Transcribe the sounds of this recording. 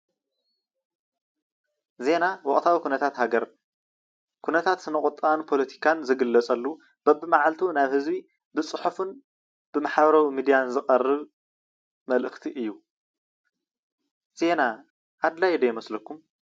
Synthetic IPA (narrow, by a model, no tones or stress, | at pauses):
ze̞nawɔχʼt̪ʰawikʰunɐt̪ʰat̪haɡɐɾ | kʰunɐt̪ʰat̪sɨnɨkʼʊt̪ʼanpʰo̞lɐt̪ʰi̥kʰanzɨɡɨlːɐt͡sʼɐlːu | b̥ɐβɨmaʕalt̪ʰunaβhɨzbi | bɨt͡sʼɨħufɨn | b̥ɨmaħaβɐɾɐwimid̪ijanzɨqʼɐrːɨβ | mɐlʔɨxt̪ʰiʔɨjːu | z̥e̞na | ʔad̪lajd̪ɐjmɐslɐkʰːum